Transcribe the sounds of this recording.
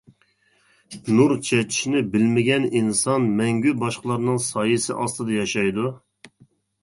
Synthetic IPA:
nuɾt͡ʃʰɛt͡ʃʰi̥ʃnɪbɪlmɪɡʲɛninsɑnmɛŋɡʲybɑʃqəlˠɑɾnɨŋsɑːjɨsɪʔɑst̪ɨd̪ɑjɑʃɑjd̪u

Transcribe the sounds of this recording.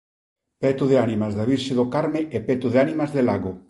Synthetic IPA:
pɛt̪ʊðeanimazðaβiɾʃeðokaɾmeʔepɛt̪oðeanimazðelaɣo

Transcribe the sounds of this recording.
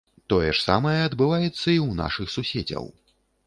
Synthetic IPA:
t̪ɔjɛʂsa̰mɐjɛɐd̪bɨvajɛt̪sːɐiwna̰ʂɨxsusʲed͡zʲɐ̰w

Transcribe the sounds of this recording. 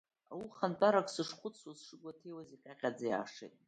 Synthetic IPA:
awuχantʼaɾakʼsɨʂχʷʊt͡sʰwazʂɨɡʷatʰejwaziqʲʼaqʲʼad͡zaja̰ːʂḛtʼ

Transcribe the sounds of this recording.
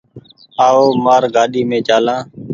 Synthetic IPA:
aːoːmaːɾɡaːɗiːmẽːt͡ʃaːlãː

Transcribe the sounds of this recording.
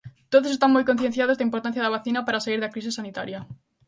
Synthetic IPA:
t̪oðosest̪amojkon̟θjen̟θjað̞ozeimpoɾt̪anθjaðaβ̞aθinapaɾasaiɾðakɾis̬isːanit̪a̰ɾja

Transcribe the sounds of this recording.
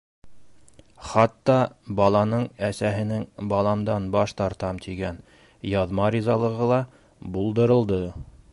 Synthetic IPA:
χɑt̪ːɑbɑlˠɑnɤɴæsæɦɘ̆nɘŋbɑlˠɑmd̪ɑnbɑʃt̪ɑɾt̪ɑmt̪ʰiɡæn | jɑðmɑɾʲizɑlˠɤ̆ʁɤlˠɑ | bulˠd̪ɤ̆ɾɤ̆lˠd̪ɤ

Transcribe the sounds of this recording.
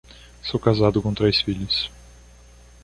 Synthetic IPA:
sowkazad̪ʊkõt̪ɾejsfiʎʊs

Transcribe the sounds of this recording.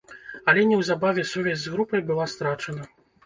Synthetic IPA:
ɐlʲɛnʲɛwzabavʲɛsuvʲɛzʲzɣɾupɐjbɨlˠast̪ɾat͡ʂɐnɐ

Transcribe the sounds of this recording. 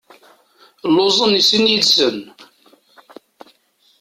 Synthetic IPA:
lːozˤənisənjid̪sən

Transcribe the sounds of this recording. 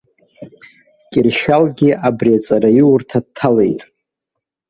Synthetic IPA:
kʲʼɪrʃalɡʲɪʔabriat͡sʼaɾaiʊrtʰad̚tʰːale̞jtʼ

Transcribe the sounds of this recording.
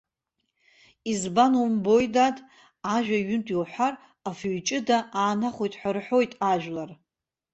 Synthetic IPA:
izbanumbo̞jdadʼ | aʒᶣaɥʏntʰʼiwħʷar | afɥt͡ʃʼɪdaaːnaχʷojtʼħʷarħo̞jtʼaʒᶣlar

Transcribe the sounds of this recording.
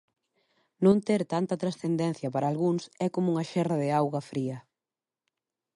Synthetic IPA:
nõnt̪eɾt̪ant̪ɐt̪ɾasθend̪ɛn̟θjɐpaɾɐːlɣuŋsɛkomʊuŋɐʃɛrɐðɪawɣɐfɾiɐ

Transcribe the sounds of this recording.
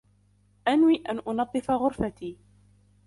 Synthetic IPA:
ʔanwiːʔanʔʊnɑðˤːɨfaɣʊɾfat̪iː

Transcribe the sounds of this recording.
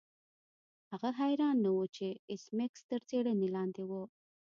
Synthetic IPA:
haɣaɦajɾɑnːawut͡ʃeɪsmekst̪əɾt͡seɽənelɑnd̪ewə

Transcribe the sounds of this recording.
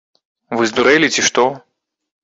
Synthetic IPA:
vɨzd̪uɾɛlʲit͡sʲiʂt̪ɔ

